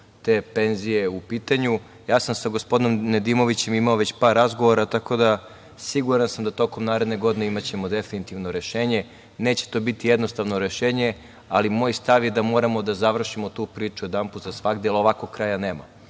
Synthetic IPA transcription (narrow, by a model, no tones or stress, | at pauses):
t̪e̞ːpe̞nzije̞upiːt̪aɲu | jaːsamsaɡo̞spo̞d̪inomned̪imo̞ʋit͡ɕe̞mimaoʋe̞t͡ɕpaːɾːazɡo̞ʋoɾat̪ako̞d̪a | siɡuɾansamd̪at̪o̞ko̞mnaːɾed̪ne̞ɡo̞d̪ineimat͡ɕe̞mod̪efinit̪iʋno̞ɾeʃeːɲe | ne̞ːt͡ɕe̥t̪o̞bit̪ijed̪no̞st̪aʋnoɾe̞ʃe̞ːɲe | alimo̞ːjst̪aʋjed̪amo̞ɾamo̞d̪azaʋr̩ʃimo̞t̪uːpɾiːt͡ʃued̪amput̪zasʋaɡd̪eeloʋakoɡ̚kːɾajane̞ːma̰